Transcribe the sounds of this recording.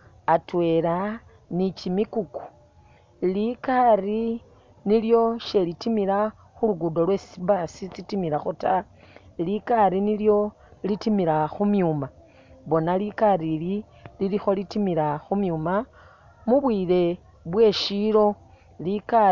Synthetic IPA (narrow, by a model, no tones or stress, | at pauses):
atwe̞ɾa | nicimikuku̥ | likari | niljo̞ʃe̞litimiɾa | xuluɡudo̞lwe̞sibasit͡sitimiɾaxota | likaɾiniljo̞ | litimiɾaxumjuma | βo̞nalikaɾili | lilixo̞litimiɾaxumjuːma | muβwiːɾe̞ | βwe̞ːʃiɾo̞ | lika